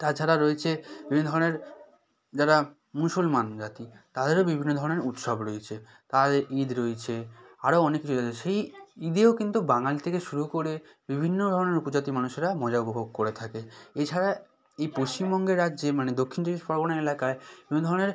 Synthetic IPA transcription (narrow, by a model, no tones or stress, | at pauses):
t̪at͡ɕʰaɾaɾoet͡ɕʰebibʱinod̪ʱɔɾoneɾ | d͡ʑaɾa | musulmand͡ʑat̪it̪ad̪eɾobibʱinːod̪ʱɔɾoneɾut̪ʃɔbɾoet͡ɕʰe | t̪adɾʔid̪ɾoet͡ɕʰeaɾoɔnekːit͡ɕʰuat͡ɕʰeʃejid̪eokint̪ubaŋalit̪ʰekeʃuɾukoɾe | bibʱinːod̪ʱɔɾoneɾupod͡ʑat̪imanuʃeɾamɔd͡ʑaupobʱoɡ̚koɾet̪ʰakeet͡ɕʰaɾa | ejpoʃt͡ɕimbɔŋɡeɾːadːd͡ʑemaned̪okʰːind͡ʑiɡiʃfɔɾbonaelakaebibinod̪ʱɔɾoneɾ